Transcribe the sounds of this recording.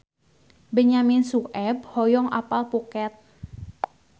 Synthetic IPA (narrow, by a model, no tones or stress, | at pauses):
bəɲamɪnsuʔɛb̚hɔjɔŋʔa̰palpukɛt̪̚